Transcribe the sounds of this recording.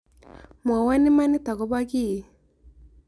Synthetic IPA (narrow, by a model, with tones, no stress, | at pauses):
m˨a˨wa˦nɪ˦ma˦nɪ˦t̪a˨ɡɔ˦ba˦ki˦˨